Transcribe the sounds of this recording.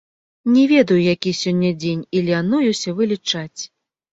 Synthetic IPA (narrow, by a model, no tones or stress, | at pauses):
nʲɛvʲɛd̪ɐjujakʲisʲɔnʲːɐd͡zʲenʲilʲanujusʲɐvɨlʲit͡ʂat͡sʲ